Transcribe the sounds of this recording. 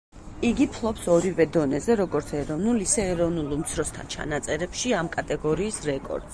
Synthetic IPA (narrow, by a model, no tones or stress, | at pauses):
iɡipʰlˠɔpsɔɾivɛd̪ɔnɛzɛɾɔɡɔɾt̪sʰɛɾɔvnulˠisɛːɾɔvnulˠmt̪sʰɾɔst̪ʰa̰nt͡ʃʰa̰nat̪sʼɛɾɛpʃiamkʼat̪ʼɛɡɔɾiːsɾɛkʼɔ̰ɾd̪̥s